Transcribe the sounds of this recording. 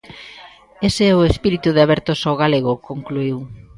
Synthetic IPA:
eseɛʊespiɾit̪uðeaβɛɾt̪osawɣ̞aleɣ̞ʊkoŋkluiw

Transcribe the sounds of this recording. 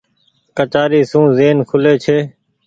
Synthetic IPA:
kət͡ʃaːɾiːsũːzeːnkʰʊleːt͡ʃʰeː

